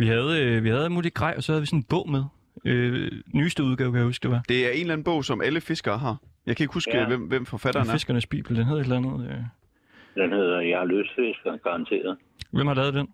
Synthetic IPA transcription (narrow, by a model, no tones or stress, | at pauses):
ʋiɦæð̞ˠʋihæð̞ˠælmṵːliɡ̥ʁɑɪ̰ʔɒ̽sɒ̽hæðˠʋisɔnn̩b̥ɔ̽ʊ̰með̞ˠ | ønyːsd̥əuðˠɡ̥ɛːʊkʰæjæhusɡ̥əd̥e̝ʋɑ̈d̥e̝æɐe̝nlæn̩b̥ɔ̽ʊ̰sɒ̽mʔæləfe̝sɡ̥ɐːɦɑ̈jɑ̈ɪkʰæe̝ɡ̥husɡ̥ʋemʋem̰fɒfæɾ̥ɐnfe̝sɡ̥ɐnəsb̥ḭːb̥l̩d̥enɦæeðˠe̝dlænð̞̩ˠø | d̥enheð̰ˠɐjɑløsfesɡ̥ɐɡ̥ɑ̈ɑ̈nt͡sʰe̝̰ːɐð̩ˠ | ʋem̰hɑlæːʊð̞̩ˠd̥en